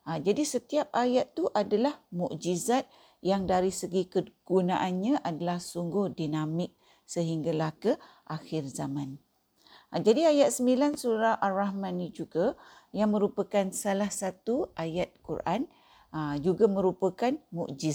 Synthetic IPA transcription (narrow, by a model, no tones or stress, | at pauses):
ad͡ʒadisət̪iap̚ajat̪ːuʔadalahmuʔd͡ʒizat̪̚ | jaŋdaɾisəɡikəɡ̥unãʔanɲãʔadalahsuŋɡʊhdinamɪk̚ | səɦiŋɡalahkə | ʔaxɪrzamãn | d͡ʒadiajat̪̚səmbilansuɾahʔalrahmãnid͡ʒuɡajaŋmə̃ɾupəkansalahsat̪uʔajat̪̚kuɾʔan | d͡ʒuɡamə̃ɾupakanmṵʔd͡ʒi